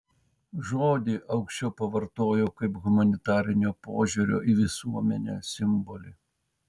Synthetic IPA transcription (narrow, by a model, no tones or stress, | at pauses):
ʒoːd̪ʲiʔɐʊkʃʲt͡ʃʲɛʊpɐʋɐɾt̪oːjoːkɐɪpɣʊmɐnʲɪt̪ɑːɾʲɪnʲoːpoːʒʲʊɾʲo̰ːʔiʋʲɪsuɔmʲɛnʲɛ̰sʲɪmbɔlʲɪ